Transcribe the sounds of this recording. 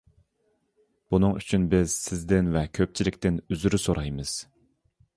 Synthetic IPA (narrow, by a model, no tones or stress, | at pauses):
b̥unɨŋy̰t͡ʃʰynbɪz̥sɪzd̪ɪnvɛkʲʰøp̚t͡ʃʰilɪkʲt̪ɪnyzyɾysoɾɑjmɨz̥